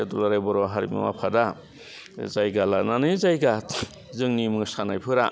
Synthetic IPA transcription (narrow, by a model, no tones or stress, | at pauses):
edulaɾajbɔɾɔɦaɾḭmɯ̰ma̰pʰada | zajɡalananɯjzajɡat | zɯŋnimɯŋsanajpʰɯɾa